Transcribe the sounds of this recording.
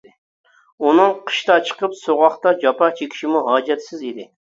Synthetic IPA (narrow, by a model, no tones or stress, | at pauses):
unɨŋqʰə̥ʃt̪ɑt͡ʃʰə̥qəpsoʁɑχt̪ɑd͡ʒɑpɑt͡ʃʰekʲʰi̥ʃimuɦɑːd͡ʒɛt̪sɪzid̪ɪ